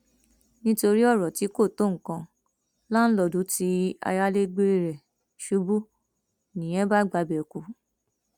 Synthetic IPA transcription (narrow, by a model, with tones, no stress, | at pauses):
nĩ˦to˧ɾi˦ɔ˦˨ɾɔ˨ti˨˦ko˦˨to˦˨ŋ̩˨kã˧ | la˦n̩˦lɔ˧˨du˨˦ti˨˦a̰˧ja˦le˦ɡ͡be˧ɾe˧ɾɛ˨ | ʃu˨˦bu˦ | nĩ˨j̃ɛ̃˨˦ba˦ɡ͡ba˨˦bɛ˨o˨ku˨˧